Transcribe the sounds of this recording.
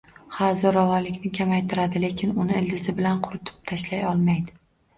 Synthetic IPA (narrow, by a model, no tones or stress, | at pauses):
hawzɒɾɒvɒnlɪkʲnɪkʲʰamajt̪ʰɪɾad̪ɪle̞kʲʰɪnʊnɪɪld̪ɪzɪbɪlanqʰʊɾɪt̪ʰɪ̥p̚t̪ʰaʃlajɒlˠmajd̪ɪ